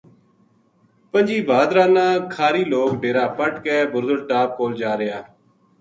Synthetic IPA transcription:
pənd͡ʒiːbʱaːd̪ɾaːnãːkʰaːɾiːloːkɖeːɾaːpəʈkɛːbʊɾzəɽʈaːp̚koːld͡ʒaːɾɪjaː

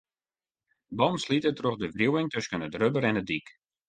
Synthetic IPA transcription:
bɔnslitətroxdəvrjuwɪŋtøskənədrøbəɾɛnədik

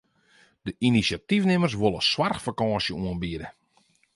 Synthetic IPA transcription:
d̥əʔinisjatifnɪmərs̬ʋolˠəswarxfakɔːsjəuənbiədə

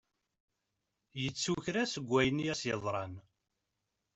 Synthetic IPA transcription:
jət͡sːuçɾæsəɡʷːæjənijæsjəðˤɾˤɑn

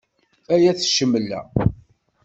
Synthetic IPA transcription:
æjæθʃəmːəlːæ̰

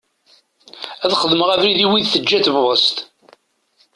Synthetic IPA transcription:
æðχəðəməʁævɾiðiwiðθəd͡ʒːæθvwəst̪

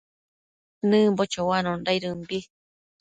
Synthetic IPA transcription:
nɨ̃mbot͡ʃowanõndaiɾɨmbi

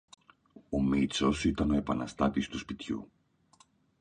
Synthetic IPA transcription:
o̞mit͡so̞sit̪ɐno̞e̞pɐnɐst̪ɐt̪ist̪uspit̪çṵ

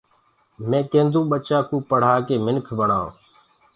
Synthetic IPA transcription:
mẽːkẽːnd̪ũːɓət͡ʃaːkũːpəɽ̤aːkeːmɪnkʰbəɳ̤ã̰ː

